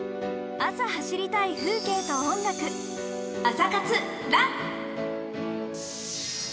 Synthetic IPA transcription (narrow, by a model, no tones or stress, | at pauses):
asahaɕiɾʲit̪aiɸɯ̟ːke̞ːt̪oõŋɡakɯ̟ | asakat͡sɨ | ɾa